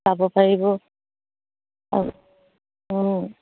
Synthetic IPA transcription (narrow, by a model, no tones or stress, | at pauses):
abɔpaɹibɔ | a̰ | n